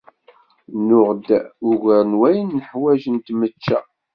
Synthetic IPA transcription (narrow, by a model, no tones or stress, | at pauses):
nʊʁd̪ʊʝəɾnwæjənːəħwæʒənt̪mət͡ʃːæ